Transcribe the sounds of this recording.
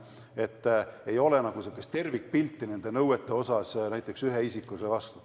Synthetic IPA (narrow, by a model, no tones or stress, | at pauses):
e̞t̪ːe̞jo̞lenɑɡ̥usekːˑest̪e̞rvik̚ːpilt̪ːˑine̞nd̪̥e̞nɤwet̪ːˑe̞o̞sɑsnæjt̪ːˑe̞ksyɦeisikːˑusevɑst̪u̥